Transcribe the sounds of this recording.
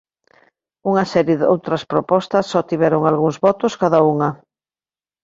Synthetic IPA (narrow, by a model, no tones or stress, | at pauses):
uŋɐsɛɾjeðo̰wt̪ɾɐspɾopɔst̪ɐsːɔt̪iβɛɾoŋalɣuŋzβɔt̪ʊskaðauŋɐ